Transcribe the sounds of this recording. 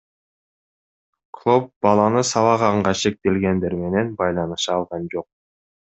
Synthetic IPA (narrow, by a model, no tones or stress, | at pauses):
kʰlˠop̚b̥ɑlˠɑnɯsɑβɑʁɑɴɢɑʃe̞k̚t̪e̞lɡe̞nd̪e̞ɾme̞ne̞nbɑjlˠɑnɯʃɑɑlˠʁɑnd͡ʒo̞q̚